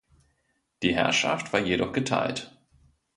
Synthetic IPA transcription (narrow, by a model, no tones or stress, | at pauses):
d̥iːɦɛ̰ɐʃa̰ftv̥aːɐjeɾɔχɡ̥ətʰa̰ɪlt